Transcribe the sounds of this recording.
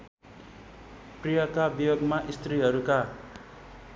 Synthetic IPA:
prijʌkabijoɡmaʔist̪riɦʌɾuka

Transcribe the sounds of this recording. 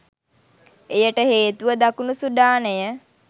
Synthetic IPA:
ejəʈəɦeːt̪uʋəd̪akunusud̪aːnəjə

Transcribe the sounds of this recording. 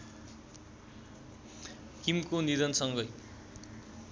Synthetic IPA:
kimkoniɾʌnsʌŋɡʌj

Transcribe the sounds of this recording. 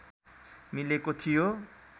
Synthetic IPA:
milekot̪ʰijo

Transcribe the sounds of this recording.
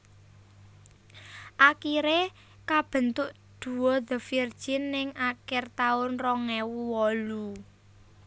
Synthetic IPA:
ʔakiɾe | kab̥ə̤nt̪ʊʔ | d̪̥ṳwɔðə̤fird̥ʒ̥ɪnːɪŋakɪrt̪aʊnrɔŋɛwuwɔlu

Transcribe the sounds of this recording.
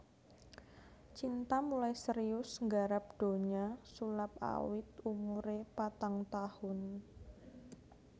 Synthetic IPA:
t͡ʃint̪amulajsəɾiʊsŋɡaɾap̚d̥o̤ɲasulap̚a̰wɪt̪̚umuɾepat̪aŋt̪ahʊn

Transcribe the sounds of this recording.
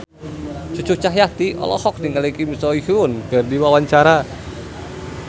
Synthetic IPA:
t͡ʃut͡ʃut͡ʃaɦjat̪iɔ̰lɔ̰hɔk̚diŋalikimisɔihunɡ̥ɛrdiwawaɲt͡ʃaɾa

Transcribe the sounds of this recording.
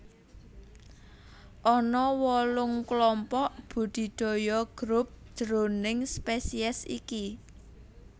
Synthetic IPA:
ʔɔnɔwɔlʊŋklɔmpɔʔb̥ṳd̪̥i̤d̪̥o̤jɔɡ̥ɾʊp̚ʒ̥ɾonɪŋspesiɛsḭki

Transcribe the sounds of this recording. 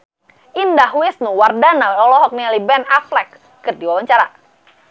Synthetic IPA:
ʔindahwɪsnuwardanawɔlɔɦɔk̚nialibɛnaflɛkː | ɨrdiwawaɲt͡ʃaɾa

